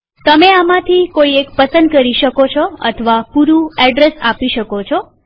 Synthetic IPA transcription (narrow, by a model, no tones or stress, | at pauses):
t̪əmeamãt̪ʰikoiekpəsənd̪kəɾiʃəkot͡ʃʰɔə̰t̪ʰəʋapuɾuɛɖɾesapiʃəkot͡ʃʰɔ